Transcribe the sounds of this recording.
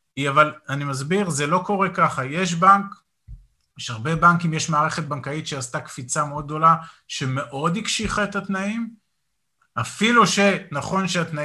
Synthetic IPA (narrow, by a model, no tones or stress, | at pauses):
iavalanimazbiʁze̞lo̞ko̞ʁe̞kaχaje̞ʃ̬baŋk | ʃaʁbe̞baŋkimjeʃmaːʁe̞χet̪̚baŋkait̪ʃeastakfit͡sameo̞d̪̚ɡ̚d̪o̞la | ʃe̞me̞ʔo̞d̪hikʃiχaetat̪naim | afiluʃenaχo̞nʃeat̪na